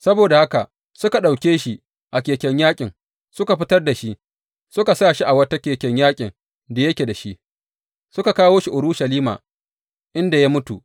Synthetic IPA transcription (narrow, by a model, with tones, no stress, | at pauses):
sɐ˦boː˨da˨ha˦ka˨ʔ | sʊ˦ka˨ɗa˨wkʲeː˦ʃi˦ | ʔa˨kʲeː˨kʲɛ˦ɲjaː˦kʲʼɪ˨ŋ | sʊ˦ka˨ɸɪ˦tɐ˦rda˨ʃi˦ʔ | sʊ˦ka˨saː˦˨ʃi˦ʔa˨wɐ˦ta˦kʲeː˨kʲɛ˨ɲjaː˦kʲʼɪ˨ŋ | da˨jɐ˦kʲe˨da˨ʃi˦ʔ | sʊ˦ka˨kaː˦woː˦ʃi˨ʔʊ˨ɾʊ˦ʃɐ˨liː˦ma̰ː˨ | ʔɪ˦nda˨ja˦mʊ˦tu˨